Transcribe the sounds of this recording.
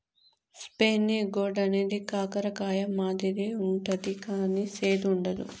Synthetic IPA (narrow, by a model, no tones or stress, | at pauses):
speːniɡoːɖɐneːd̪ikaːkɐɾɐkaːjɐmaːd̪id̪iuɳʈɐd̪ikaːniseːd̪uɳɖɐd̪ṵ